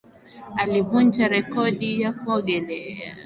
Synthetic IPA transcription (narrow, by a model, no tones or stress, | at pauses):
alivund͡ʒaɾɛkɔɗijakuɔɡɛlɛa̰